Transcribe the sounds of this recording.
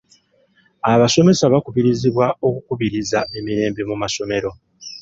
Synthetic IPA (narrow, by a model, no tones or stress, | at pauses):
aβaso̞me̞saβakuβiɾiziβwao̞kukuβiɾizae̞miɾe̞ːmbemumaso̞me̞ɾo̞